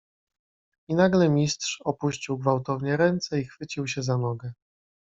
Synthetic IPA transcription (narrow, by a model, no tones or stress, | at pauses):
inaɡlɛmʲistʂɔpuɕt͡ɕiwɡvawt̪ɔvɲɛɾɛnt̪sɛixfɘt͡ɕiwɕɛzanɔɡɛ